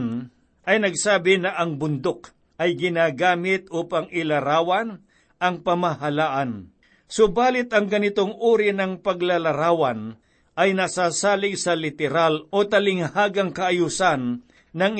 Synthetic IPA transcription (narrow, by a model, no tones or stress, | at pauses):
n | ʔɐjnɐɡsaːbɪnɐʔɐŋbʊnd̪ok | ɐjɡɪnaːɡaːmɪt̪̚uːpɐŋɪlɐɾaːwɐn | ʔɐŋpɐmɐɦɐlaːʔɐn | sobaːlɪt̪ɐŋɡɐnɪt̪oŋʔuːɾɪnɐŋpɐɡlɐlɐɾaːwɐn | ʔɐjnɐsaːsaːlɪɡsɐlɪt̪ɛɾalo̞t̪ɐlɪŋhaːɡɐŋkɐʔɐjusanː | ɐŋ